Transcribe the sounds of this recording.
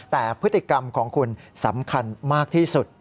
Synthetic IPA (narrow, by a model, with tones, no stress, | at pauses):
t̪ɛː˨˩pʰɾɯ˦˥t̪ʰːi˨˩ka˧mkʰɔː˩˦ŋkʰu˧nsa˩˦mkʰa˧nmaː˥˩k̚t̪ʰiː˥˩su˨˩t̪̚